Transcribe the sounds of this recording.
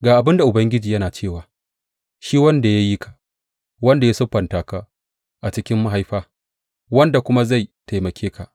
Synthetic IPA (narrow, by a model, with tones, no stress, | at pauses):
ɡaː˨ʔa˨bɪ˦nda˨ʔʊ˨bɐ˦ŋɡʲɪ˦d͡ʒiː˨jɐ˦naː˨t͡ʃeː˦˨waː˨ | ʃiː˦wɐ˦nda˨ja˦ji˦kʰḁ˨ʔ | wɐ˦nda˨ja˦sʊ˦ɸɐ˨ntaː˨ka˨ʔ | ʔa˨t͡ʃɪ˦kʲɪ˦mːa˦ɦa˦jɸaː˦ | wɐ˦nda˨kʷʊ˦ma˦za˦˨jta˨jmɐ˨kʲʰeː˦kʰa˨ʔ